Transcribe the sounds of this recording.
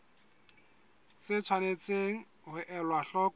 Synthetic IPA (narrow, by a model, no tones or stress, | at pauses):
t͡sɪt͡sʰwanet͡seŋ̩ | hʊʔɛlwaɬɔk